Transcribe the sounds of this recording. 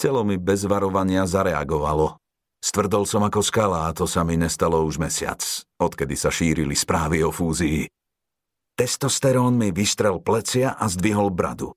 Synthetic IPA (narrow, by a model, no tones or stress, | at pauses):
t͡sɛlɔmibɛzʋaɾɔʋaɲɪazaɾɛa̰ɡɔʋalɔ | st̪ʋr̩d̪ɔlsɔmakɔskalaːt̪ɔsamiɲɛst̪alɔuʒmɛsɪa̰t͡sɔt̪kɛd̪isaʃiːɾilispɾaːʋiɔfuːzii | t̪ɛst̪ɔst̪ɛɾɔːnmiʋist̪ɾɛlplɛt͡sɪaʔazd̪ʋiɦɔlbɾa̰d̪u